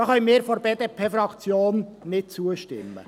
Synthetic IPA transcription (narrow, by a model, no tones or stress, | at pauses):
ɑχœʏmɪːɾfoɾbeːd̥̪eːpʰeːfɾɑkt͡sjoːnnɪt̚t͡suəʃtɪ̰mːə̰